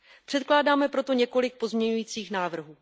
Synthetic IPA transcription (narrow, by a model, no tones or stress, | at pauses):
pr̥ɛt̪̚klaːdaːmɛpɾo̞t̪o̞ɲɛko̞lɪk̚po̞zmɲɛɲujiːt͡siːxnaːvr̩ɦuː